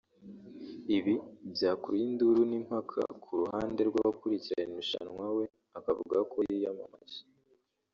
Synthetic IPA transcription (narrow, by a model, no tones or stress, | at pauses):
iβibjaːkuɾinduɾunim̥hakʰa̰kʰuɾuhaːnde̞ɾɡwaβakuɾiciɾaɲenuʃa̰nwawe̞ | akavṵɡakʰo̞jijamamaz̥i̥